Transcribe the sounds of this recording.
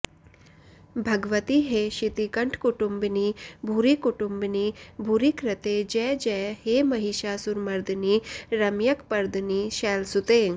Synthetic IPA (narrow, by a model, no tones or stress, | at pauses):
bʱɐɡʋət̪iɦeɕit̪ikəɳʈʰkuʈumbniːbʱuɾikuʈumbniːbʱuɾikɾət̪ed͡ʒɛd͡ʒɛhemɐɦiʃasuɾmɐɾd̪ʱniːɾɐmjɐkpɐɾd̪niːʃɛːlsut̪e